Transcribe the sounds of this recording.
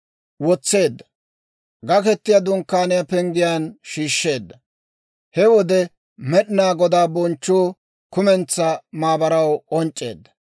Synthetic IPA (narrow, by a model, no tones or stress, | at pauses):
wɔt͡sːe̞ːd̪ːɐ | ɡɐkɛt̪ːɪjɐd̪ʊŋkːaːnɪjapɛŋɡɪjaːnʃiːʃːe̞ːd̪ːɐ | hɛwɔd̪ɛ | mɛɗɪnaːɡɔd̪aːbɔnt͡ʃːuː | kʊmɛnt͡sːɐmaːbɐɾɐwɔnt͡ʃʼːe̞̰ːd̪ːɐ̥